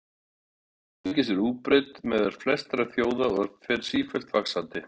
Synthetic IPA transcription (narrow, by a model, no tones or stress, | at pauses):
ɪcɪsɛɾuːpɾet̪mɛðaɾ̥flɛst̪ɾḁθjoːwðafɛɾ̥siːfɛl̥t̪faksant̪ɪ